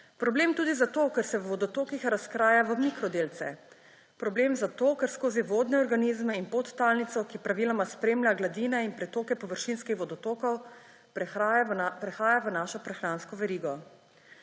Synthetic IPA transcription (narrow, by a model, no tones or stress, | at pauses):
pɾɔbleːmt̪uːd̪izat̪oːkɛɾsɛwʋɔd̪ɔt̪oːkixɾaskɾaːjaʋəmikɾɔd̪eːlt̪sɛ̰ | pɾɔbleːmzat̪oːkɛɾskoːziʋoːd̪nɛɔɾɡaniːzmɛinpot̪ːaːlnit̪sɔkipɾaʋiːlɔmaspɾeːmlʲjaɡlad̪iːnɛinpɾɛt̪oːkɛpɔʋəɾʃinskixʋɔd̪ɔt̪oːkɔw | pɾɛxaːjaʋənaːʃɔpɾɛxɾanskɔʋɛɾiːɡɔ